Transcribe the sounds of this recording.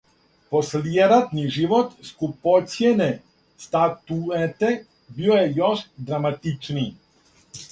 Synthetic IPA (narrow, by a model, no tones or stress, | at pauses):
posljeɾat̪niʒiʋot̪skupot̪sjene | st̪at̪uet̪e | biojejoʃd̪ɾamat̪it͡ʃni